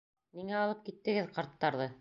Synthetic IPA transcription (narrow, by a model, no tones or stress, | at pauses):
niŋæɑlˠɤp̚kit̪ːɘ̆ɡɘðqɑɾt̪ːɑɾðɤ